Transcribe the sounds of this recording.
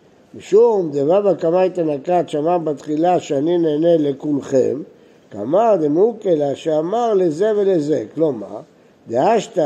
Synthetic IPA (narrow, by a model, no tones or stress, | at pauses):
miʃuuumd̪evabakamajt̪anakat̪ʃamabat̪χilaʃeanineːnelekulχḛm | ka̰maʁd̪emukelaʃeamaʁleze̞velezekloma̰ | d̪eaʃt̪a